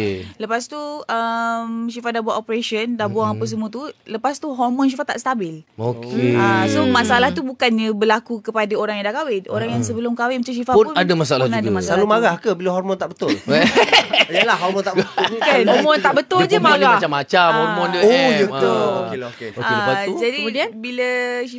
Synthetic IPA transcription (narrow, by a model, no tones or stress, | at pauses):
ləpast̪uəmsifadahbuaʔopɾeʃəndahbuaŋapəs̬əmũɔt̪̬uləpast̪uɦɔrmɔ̃n̬ifat̪a̰ʔst̪abɪlokʰeasomasaalaht̪ubukanɲə̃bəlakukəpadaoɾaŋjãdaʔkawɪno̰ɾaŋjaŋsəbəlʊmkawɪmət͡ʃams̬ifapʊadamasaalanadamasaalumaɾahkəbilaɦɔrmɔnt̪aʔbət̪ʊl | jəlahɦɔrmɔnt̪aʔbəkahɔmɔnt̪aʔbət̪ʊld͡ʒəaɾaat͡ʃamːat͡ʃamhɔmɔnoəbəookeoeəad͡ʒadibiləi